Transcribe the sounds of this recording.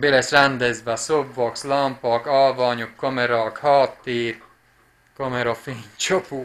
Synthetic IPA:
belɛsrɛnd̪ɛzbɛsobːɒkslɒmpɒkɒlvɒːɲukːomɛɾɒkhɒːt̪ːiːr | komɛɾofiːnt͡ʃopuː

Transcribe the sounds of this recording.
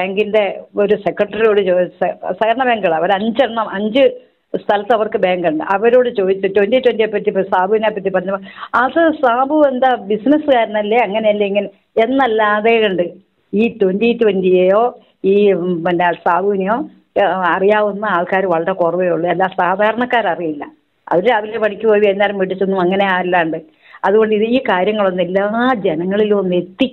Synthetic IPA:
beːŋɡinde̞oɾusekːrɐʈːrijo̞ːɽɨt͡ɕoɐsɐɣɐɐɳɐbeːŋɡɐɭɐʋɐɾɐɲd͡ʑeɳːɐmʔɐɲd͡ʑɨ | st̪ʰɐlɐt̪ːɐʋɐrkɨbeːŋɡɐɳɖɨ̰ʔɐʋɐɾoːɽɨt͡ɕo̞ːd̪it͡ɕːutwenditwendijepːɐtːipsaːbʱuinapːɐt̬ːipɐrɐɲːɐpːoatɐsaːbʱuend̪abisnɐsɨkaːɾɐnɐlːeɐŋːɐne̞jɐlːeiŋːɐn | e̞nːɐlːaːðeːuɳɖɨ | iːt̪ondit̪ʋendijejo̞ː | iːmɐndasaːbʱuːinijo̞ː | ɐrijaːʋunːɨaːɭkaːɾuʋɐɭɐɾɐkorɐʋejuɭːɨelːaːsaːd̪ʱaːɾɐɳɐkːaːɾɐrijilːɐ̰ | ɐ̰ʋiɾeɐʋilepɐɳikʲːupoːjiʋenːaːɾumʋiʈːit͡ɕːonːuɐŋːɐne̞aːilːɐɳɖɨ | ɐðuɣo̞ɳɖɨiðɨiːkaːɾjɐŋːɐɭo̞nːelːaːd͡ʑenɐŋːɐɭilumonːɨe̞t̪ːi

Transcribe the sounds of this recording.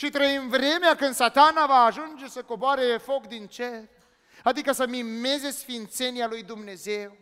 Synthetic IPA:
ʃit̪ɾəimvɾe̞meakɨnd̪sat̪anavaːʒund͡ʒe̞səko̞boaɾefo̞kd̪int͡ʃe̞r | ad̪ikəsəmimme̞ze̞sfint̪se̞nialujd̪umne̞ze̞w

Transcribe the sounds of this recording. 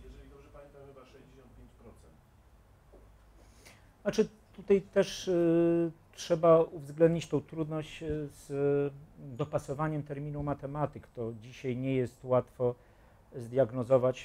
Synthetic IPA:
ɛd͡ʑeɔnt̪̚pʲjeɲt͡ɕpɾɔt̪sɛnt̪ | nat͡ʂɘ | t̪ut̪ajt̪ɛʂ | tʂɛbauvzɡlɛnd̪̚ɲit͡ɕt̪ɛ̃w̃t̪ɾud̪nɔɕt͡ɕz | d̪ɔpasɔvaɲɛmt̪ɛɾmʲinumat̪ɛmat̪ɘkt̪ɔd͡ʑiɕajɲɛjɛst̪wat̪fɔ | zd̪jaɡnɔzɔvat͡ɕ

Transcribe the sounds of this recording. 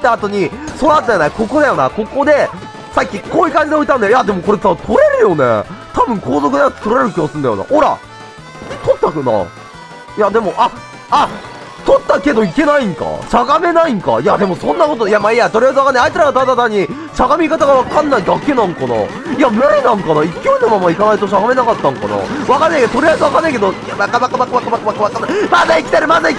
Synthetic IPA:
t̪ːaːt̪o̞ɲ̟iso̞nat̪od̪ajonako̞ko̞d̪ajo̞nako̞ko̞d̪e̞ | sakʲːikoːikãɲ̟d͡ʑid̪eoit̪ãnajojad̪e̞mo̞ko̞ɾe̞sat̪ʰo̞ɾe̞ɾɯ̟jo̞nḛt̪abɯ̟̃ŋkʰo̞ːzo̞kɯnaɯt̪t̪oɾaɾe̞ɾɯ̟kʲiɡasɨ̃nd̪ajona̰hoɾa̰ | t̪ʰot̪ːaknɑ̰ | jad̪e̞mo̞ʔa | a | t̪ot̪ːake̞d̪o̞ike̞naĩŋka̰ɕaɡame̞naiŋka̰jad̪e̞mo̞sõ̞nːako̞t̪ojamaiat̪oɾʲijajzɨβakanːajaitt͡sɨɾaɡat̪ad̪at̪aɲ̟ːi | ɕaɡamʲikat̪aɡaβakãnːaid̪akːe̞nãŋkɑnɑ̰ | jamɯɾinãŋkɑnaːikʲijoinomamaikanait̪o̞ɕ̬aɡame̞nakat̪ːãŋkɑ̰nɑ̰βakanːaikeot̪oɾʲijaizɨβakanːaikeoabakabakabakaβakabakaβakaβakanːamazaikʲi̥t̪aɾɯmazai

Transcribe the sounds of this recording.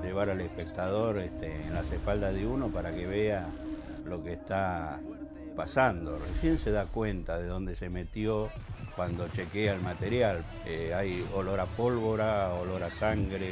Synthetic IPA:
ʒeβ̞aɾalehpek̚t̪aðo̞ɾeht̪eːnlasehpald̪aðeuno̞paɾakeβea | lo̞keːst̪a | pasand̪o̞resje̞nse̞ðakwent̪aðeðo̞nd̪e̞se̞me̞t̪jokwand̪ot͡ʃekeaelmat̪eɾjal | eajoloɾapo̞lβo̞ɾaoloɾasaŋɡɾe

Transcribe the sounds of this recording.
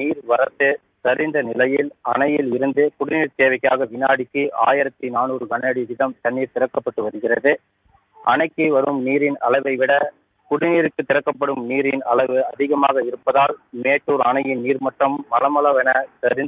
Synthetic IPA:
niːɾʋɐɾɐt̪ːɯ | t̪ɐɾɪnd̪ɐnɪlɐjɪlɐ̰ɳɐjɪlɪɾɯnd̪ɯkʊɽɪniːɾt̪eːʋɐɪkːɐjaːɣɐʋɪnaːɽɪkːɯʔa̰ːjɪɾɐt̪ːinaːnuːɾɯkɐɳeːɽid̪ɪðɐmt̪ɐnːiːɾt̪ɪɾɐkːɐpːɐʈːɯʋɐɾɯɣɪrɐðɯ | ʔɐ̰ɳɐɪkːɯʋɐɾɯmniːɾɪnɐ̰lɐɪʋɐɪʋɪɽɐ | kʊɽɪniːɾɯkːɯt̪ːɪɾɐkːɐp̬ːɐɽɯmniːɾɪnɐ̰lɐɪʋɯɐðɪɣɐma̰ːɣɐɪɾɯpːɐðaːlmeːʈːuːɾɐɳɐjɪnniːɾmɐʈrɐmːɐlɐmɐlɐʋɛnɐt̪ɐɾɪn

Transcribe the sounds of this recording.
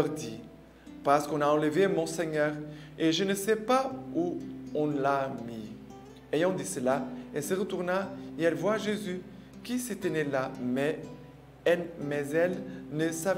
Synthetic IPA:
ʁd̪i | paʁsə̥kɔ̃naɑ̃ləvemɔ̃sɛɲœːʁ | eʒənəsɛpauɔ̃lami | ejɑ̃d̪isəlaɛlsəʁət̪uʁnaeɛlvwaʒezy | kiset̪ənelamɛ | ɛlmɛzɛlnəsav

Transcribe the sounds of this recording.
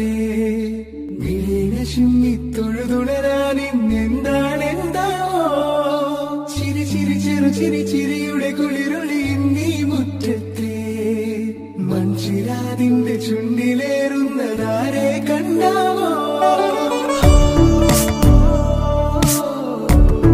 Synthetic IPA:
e | ʋilinɐt͡ʃinːit̪ːoɽud̪uɽɐɾaːninːend̪aːnend̪aːʋo | t͡ʃiɾit͡ʃiɾit͡ʃeɾut͡ʃiɾit͡ʃiɾijuɽekuɭiɾuɭind̪ibuʈːet̪ːe | mɐɲt͡ʃiɾaːnind̪et͡ʃuɳɖileːɾunːɐd̪aːɾeːkɐɳɖao

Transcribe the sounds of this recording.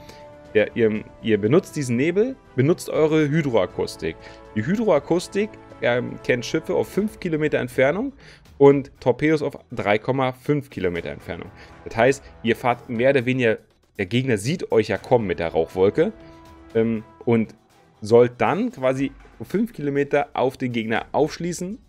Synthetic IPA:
d̥eːɐʔḭːɐ | ʔiːɐbənʊt͡st̚d̥iːzn̩neːbl̩ | b̥ənʊt͡stʔɔ̰ʏʁəɦyːdʁoakʰʊstɪ̰kd̥iːɦyːdʁoakʰʊstɪkɛkʰɛntʃɪfəʔa̰ʊfːʏnfkʰilomeːtɐɛ̰ntfɛɐnʊŋ | ʔʊntʰːɔɐpeːdʊsaʊfd̥ʁaɪkʰɔmafʏnfkʰilomeːtɐ̰ɛ̰ntfɛ̰ɐnʊ̰ŋd̥ashaɪstʔiːɐfaːɐtmeːɐoːdɐveːnɪɡɐ | d̥eːɐɡeːɡnɐziːtɔʏçjaːkʰɔmənmɪt̚d̥eːɐʁa̰ʊxv̥ɔlkəʔɛːmʔʊnt | zɔlt̚d̥ankv̥aːzifʏnfkʰilomeːtɐʔa̰ʊfd̥eːnɡeːɡnɐ̰ʔaʊfʃliːsn̩

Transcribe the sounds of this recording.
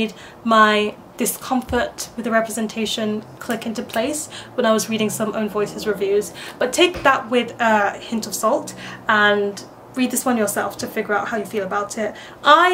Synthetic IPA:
d̚ | maɪ | d̥ɨskʰʌ̃ɱfə˞ʔwɨðɨɹɛpɹɨzɛ̃ntʰeɪʃɨ̃nkʰl̥ɪkɪ̃ntʉpʰl̥eɪswə̃ñaɪwʌzɹiɾɪ̃ŋsʌ̃mõʊ̃nvɔɪsɨzɹɨvjʉz̥b̥ʌtʰeɪk̚ðəʔwɪðəhɪ̃ntʌv̥sɔlˠtə̃n | ɹid̪̚ðɪswʌ̃njə˞sɛlˠftʰɨfɪɡjə˞aʊt̚haʊjɨfilˠəbaʊɾɪt | ʔaɪ

